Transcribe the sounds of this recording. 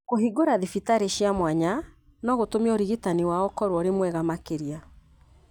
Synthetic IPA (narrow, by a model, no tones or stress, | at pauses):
koɦiɡoɾaðifitaɾeɕjamwaɲa | nɔɣotomioɾiɣitaniwaɔkɔɾwɔɾemwɛɣamakeɾia